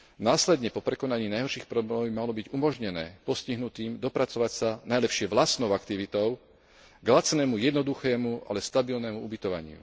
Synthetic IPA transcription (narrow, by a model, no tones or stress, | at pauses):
naːslɛd̪ɲɛpɔpɾɛkɔnaɲiːnajɦɔɾʃiːxpɾɔblɛmɔbimalɔbiɟumɔʒɲɛnɛ̰ːpɔsciɦnut̪iːmd̪ɔpɾat͡sɔʋacsanajlɛpʃɪɛʋlasnɔʊakt̪iʋit̪ɔʊ | ɡlat͡snɛːmujɛd̪nɔd̪uxɛːmuʔa̰lɛst̪abilnɛmuubit̪ɔʋa̰ɲɪ̰ṵ